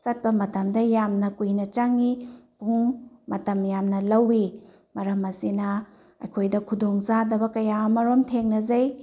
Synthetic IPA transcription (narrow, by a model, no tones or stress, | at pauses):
t͡ʃɐt̚pɐmɐtɐmdɐjamnɐkujnɐt͡ʃaŋipuŋmɐtɐmjamnɐlɐwi | mɐɾɐmɐsinɐ | ɐ̰jkʰojdɐkʰudoŋzadɐbɐkɐjamɐɾomtʰeŋnɐzɐj